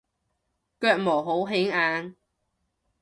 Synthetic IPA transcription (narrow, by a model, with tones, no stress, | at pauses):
kœː˧k̚moː˨˩ɦo˨˥wɦɪ˨˥ŋaː˨˧ŋ